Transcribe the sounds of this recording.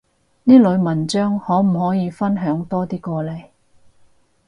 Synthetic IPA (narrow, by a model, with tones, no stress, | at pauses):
niː˥lɵ˨˧ɥmɐ˨˩nt͡ʃœː˥ŋhɔː˨˥m̩˨˩ɦɔː˨˥jiː˨˧fɐ˥nɦœː˨˥ŋt̪ɔː˥t̪iː˥kɔː˧le˨˩j